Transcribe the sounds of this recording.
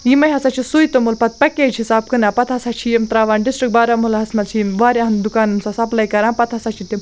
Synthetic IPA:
jimɐjɦɐsat͡ʃʰisujt̪omulpɐt̪̚pɐkeːd͡ʒʰisaːb̚kɨnaːpɐt̪ʰɐsat͡ʃʰijemt̪ɾaːʋaːnɖisʈɾik̚baːɾamulaɦɐsmɐlt͡ʃʰimʋaːɾʲjaɦɐnd̪ukaːnumsasɐplɐjkɐɾaːnpɐt̪ɦɐsat͡ʃʰit̪im

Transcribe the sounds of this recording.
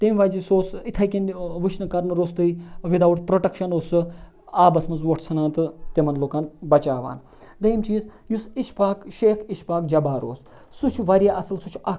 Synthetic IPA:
t̪emʲʋaːzisoːsit̪ʰɐkʲinʋɨt͡ʃʰnɨkɐɾnɨɾoːst̪ɨiʋid̪aːʋuʈpɾoʈɐkʃɐnoːsɨ | aːbɐsmɐnzʋoʈʰt͡sʰɐnaːnt̪ɨt̪emɐnloːkaːnbɐt͡ʃaːʋa̰ːn | d̪ɐjimt͡ʃiːzjusiʃpaːkʃeːkʰiʃpaːk̚d͡ʒɐbaːɾo̰ːs | sut͡ʃʰuʋɐɾʲjaːʔɐsɨlsut͡ʃʰu̥ɐ

